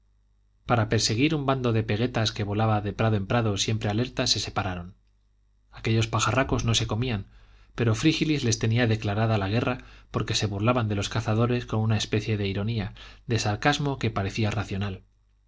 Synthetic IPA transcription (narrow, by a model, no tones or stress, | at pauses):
paɾape̞ɾse̞ɣ̞iɾumband̪o̞ðe̞pe̞ɣe̞t̪aske̞βo̞laβaðe̞pɾaðoe̞mpɾaðo̞sje̞mpɾe̞ale̞ɾt̪ase̞se̞paɾaɾo̞n | ake̞ʎo̞spaxarako̞zno̞se̞ko̞miam | pe̞ɾo̞fɾixilizle̞st̪e̞niaðe̞klaɾaðalaɣ̞e̞rapo̞ɾke̞se̞βurlaβand̪e̞lo̞skaθað̞o̞ɾe̞sko̞nunaespe̞θje̞ðe̞iɾo̞niaðe̞saɾkazmo̞ke̞paɾe̞θiaraθjo̞nal